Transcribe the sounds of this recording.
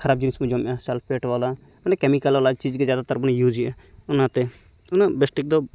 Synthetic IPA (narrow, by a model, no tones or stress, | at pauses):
kʰɐɾaːb̚d͡ʒinɪsmud͡ʒoːmjaːsɛlfʰeːʈʋaːla | ʊnekɛmikəlaːlat͡ʃiːd͡ʒkezjaːd̪at̪əɾbənjuːd͡ʒiɛ | ʊnãːt̪e | ʊnabesʈɪk̚d̪oː